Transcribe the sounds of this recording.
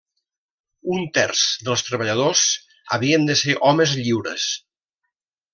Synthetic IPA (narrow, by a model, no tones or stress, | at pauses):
unt̪ɛrz̥ðəlˠst̪ɾəβəʎað̞os | ə̰β̞iənd̪əseɾʔɔməzʎiwɾə̰s